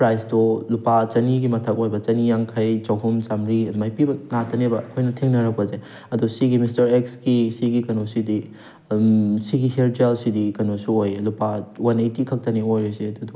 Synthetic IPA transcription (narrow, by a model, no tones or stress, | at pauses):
pɾajsdolupat͡ʃɐniɡimɐtʰɐk̚ojbɐt͡ʃɐnijaŋkʰɐjt͡ʃawɦumt͡ʃamɾiɐdumajpibɐnatʰɐnebɐkʰojnɐtʰeŋnɐɾɐk̚pɐze | ɐdusiɡimistɐɾeksɡisiɡikɐnosidi | siɡiheɾtelsidikɐnosuojelupawanajtikʰɐk̚tɐniojɾesiɐdudu